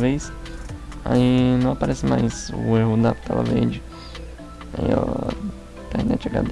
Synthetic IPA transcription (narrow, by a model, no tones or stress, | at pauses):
vejs | a̰inɐ̃w̃apaɾʔɛsɪmajzʊeɦʊd̪apt̪ʰalɐ̰veɾd͡ʒɪ | aḭã | t̪ɛhnɛt͡ʃaɡa̰d̪